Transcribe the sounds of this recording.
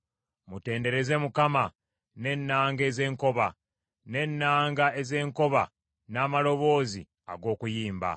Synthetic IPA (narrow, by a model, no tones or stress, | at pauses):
mute̞ːnde̞ɾe̞ze̞mukama | ne̞nːaːŋɡe̞ːze̞ːŋko̞βa | ne̞nːaːŋɡae̞ze̞ːŋko̞βa̰ | naːmalo̞βo̞ːzi | a̰ɡo̞ːkujiːmba̰